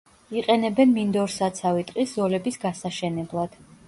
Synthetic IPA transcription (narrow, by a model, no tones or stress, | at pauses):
iqʼɛnɛbɛnmind̪ɔɾsat̪sʰavit̪ʼqʼiszɔlɛbisɡasaʃɛnɛblˠad̪̥